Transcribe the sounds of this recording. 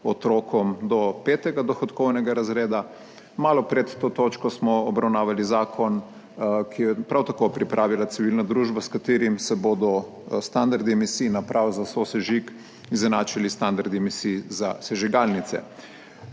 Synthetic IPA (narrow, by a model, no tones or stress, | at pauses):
ɔt̪ɾokɔmd̪ɔpet̪ɛɡad̪ɔxɔt̪kɔwnɛɡaɾazɾeːd̪a | maːlɔpɾɛt̪ːoːt̪oːt͡ʃkɔsmɔɔbɾawnaːʋalizaːkʰɔn | kiɛpɾawt̪akopɾipɾʔaːʋilat̪siʋilnad̪ɾuːʒbaskat̪eːɾimsɛboːd̪ɔ | st̪and̪aɾd̪iɛmisiːnapɾʔawzasosɛʒik | izɛnaːt͡ʃilist̪and̪aɾd̪iemisiːzasɛʒiɡalnit̪sɛ̰